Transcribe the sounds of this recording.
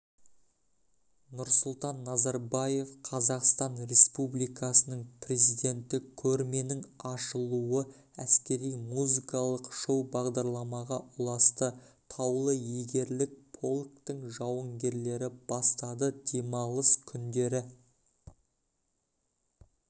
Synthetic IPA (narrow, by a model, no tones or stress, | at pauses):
nʊɾsʊlˠt̪ɑnːɑzɑɾbɑje̞fqʰɑzɑqst̪ɑnɾe̞spublijkɑsənəɴpʰre̞zijd̪e̞nt̪ːɪkkʲʰɵɾme̞nɪŋɑʃəlˠuwə | æskʲe̞ɾijmuzikɑlˠəqʃowbɑʁd̪ɑɾlˠɑmɑʁɑʔʊlˠɑst̪ət̪ʰɑwlˠəjeɡʲe̞ɾlɪk̚pʰo̞lˠkt̪əŋʒɑwəŋɡʲe̞ɾle̞ɾɪb̥ɑst̪ɑd̪əd̪̥e̞mɑlˠəskʲʰʏnd̪e̞ɾɪ